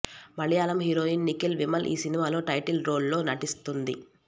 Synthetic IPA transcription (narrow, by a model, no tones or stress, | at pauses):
mɐɭjaːlɐmɦiɾo̞ːjinnikilʋimɐlʔḭːsinimaːlo̞ːʈɐjʈilɾo̞ːlːo̞ːnɐʈist̪und̪ḭ